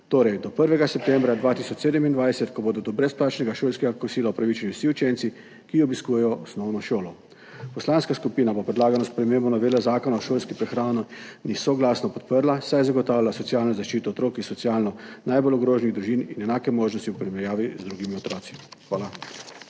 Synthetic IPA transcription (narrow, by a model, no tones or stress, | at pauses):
t̪oːɾɛjd̪ɔpəɾʋɛɡasɛp̚t̪ɛmbɾad̪ʋaːt̪isɔt͡ʃseːd̪ɛmind̪ʋajsɛt̪kɔboːd̪ɔd̪ɔbɾɛsplaːt͡ʃnɛɡaʃoːlskɛɡakɔsiːlawpɾaʋiːt͡ʃanjuwsiut͡ʃɛnsi | kiɔbiskuːjɛjɔɔsnɔwnɔʃoːlɔ | pɔslaːnskaskupiːnabopɾɛd̪laːɡanɔspɾɛmeːmbɔnaʋeːlɛzaːkɔnaɔʃoːlskipɾɛxɾaːnɔnisɔɡlaːsnɔpɔt̪̚pəɾlasajzaɡɔt̪aːwlʲjalasɔt̪siaːlnɔzaʃt͡ʃiːt̪ɔːt̪ɾoːkinsɔt̪siaːlnɔnajbolɔɡɾoːʒniɣd̪ɾuʒiːninɛnaːkɛmoːʒnɔst̪iupɾimɛɾjaːʋizd̪ɾuːɡimiɔt̪ɾɔːt̪si̥xʋaːla